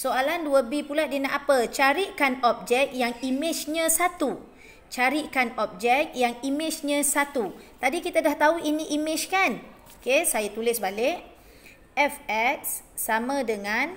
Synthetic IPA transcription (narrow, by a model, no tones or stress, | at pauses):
soalanduəbipuladinaʔapət͡ʃaɾikanɔp̚d͡ʒɛk̚jaŋimɪt͡ʃɲãsat̪u | t͡ʃaɾikanɔp̚d͡ʒɛk̪̚jaŋimɪt͡ʃɲãsat̪ut̪adikit̪adaht̪auʔiniʔimɪt͡ʃkan | okesajat̪ulɪsbalɪʔ | ɛfɛk̚sː | amãdəŋan